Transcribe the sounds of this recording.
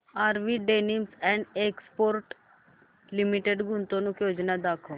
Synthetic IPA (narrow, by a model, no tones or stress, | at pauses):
aːɾʋiɖeːnimsɛ̃ɳɖekspoːɾʈ | limiʈeɖɡʊ̃nt̪õnũkjoːd͡ʒnad̪aːkʰõ